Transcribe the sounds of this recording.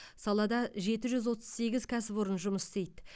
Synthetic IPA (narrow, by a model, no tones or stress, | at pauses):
sɑlˠɑd̪ɑʒe̞t̪ɪʒʏzwo̞t̪ə̥z̥se̞ɡʲɪzkʲʰæsɪpʊɾənʒʊməsst̪ejt̪ɪ